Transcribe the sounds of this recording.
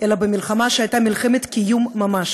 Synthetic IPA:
ʔelabemʲilχamaʃeajt̪amʲilχemet̪kʲijumːamaʃ

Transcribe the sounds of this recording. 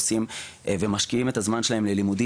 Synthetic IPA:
sim | ve̞maʃkiime̞t̪azmanʃelae̞mle̞limud̪i

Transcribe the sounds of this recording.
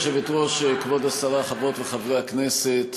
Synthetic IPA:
ʃevit̪ʁoʃekvod̪asaʁaχavot̪veχavʁeakneset̪

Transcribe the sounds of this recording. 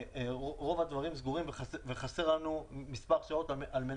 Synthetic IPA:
oʁo̞vad̪vaʁimzɡuʁimveχaveχase̞ʁlanumispaʁʃao̞t̪ʔalme̞n

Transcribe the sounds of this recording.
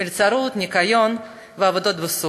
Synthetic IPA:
ɪlʲt͡saɾut̪nʲɪkajon | vəavod̪ot̪bɨsu

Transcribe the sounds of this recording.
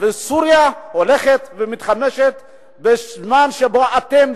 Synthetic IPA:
vesuɾjaholeχet̪vemit̪χameʃet̪ | bezmanʃeboʔat̪em

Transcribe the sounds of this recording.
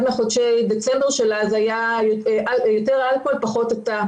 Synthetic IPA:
dmeχodʃejdet͡sembeʁʃelazajajoʔaljoteʁalko̞lpaχo̞teta

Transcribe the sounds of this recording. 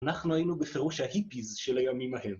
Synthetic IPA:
anaχnuhajinubefeʁuʃhahipizʃelajamimahem

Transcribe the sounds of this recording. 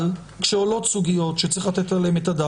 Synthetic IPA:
l | kʃeolo̞t̪suɡijo̞t̪ʃet͡siχlat̪etalemet̪ada

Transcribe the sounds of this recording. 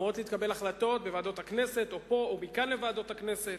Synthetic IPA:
otlit̪kabe̞laχlato̞t̪̚bevaːd̪o̞thaknese̞t̪opo̞obikanlevaːd̪o̞t̪hakneset

